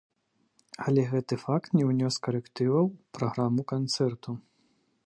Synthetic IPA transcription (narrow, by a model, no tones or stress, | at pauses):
ɐlʲɛɣɛt̪ɨfak̚t̪nʲɛwnʲɔskɐɾɛkt̪ɨvɐwpɾaɣɾamukant̪sɛrt̪u